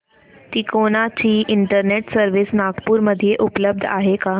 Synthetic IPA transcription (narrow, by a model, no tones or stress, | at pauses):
t̪iːkoñat͡ɕiːʔɪɳʈəɾneʈsəɾʋisnaɡpuːɾməd̪ʱijeʔupləb̚d̪ʱa̰ɦeka